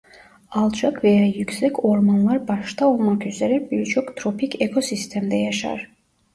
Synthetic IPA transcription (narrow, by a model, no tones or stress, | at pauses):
ɑlˠd͡ʒɑkʰvɛjajyksɛkʰoɾmanlˠɑɾbɑʃt̪ʰaolˠmɑkʰyzɛɾɛɾbiɾt͡ʃʰɔkt̪ʰɾɔpʰikʰɛkʰɔsist̪ʰɛmd̪ɛjaʃɑ̰ɾ